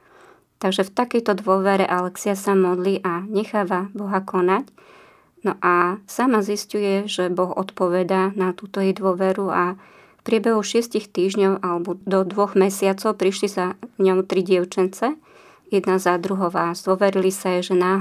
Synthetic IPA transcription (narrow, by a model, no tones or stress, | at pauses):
t̪aɡʒɛft̪akɛjt̪ɔd̪ʋʊɔʋɛɾɛʔalɛksiasamɔd̪liʔaɲɛxaːʋabɔɦakɔnac | nɔʔasamaziscujɛʒɛbɔɣɔ̰t̪pɔʋɛd̪anat̪uːt̪ɔɛd̪ʋʊɔʋɛɾua | fpɾɪɛbɛɦuxʃɪɛscixt̪iːʒɲɔʊʔalɛbɔd̪ɔd̪ʋɔɣmɛsɪat͡sɔʊpɾiʃlizaɲɔʊt̪ɾiɟɪɛʊt͡ʃɛnt͡sɛ | jɛd̪nazad̪ɾuɦɔʋazd̪ʊɔʋɛɾilisajɛʒɛnaːɦ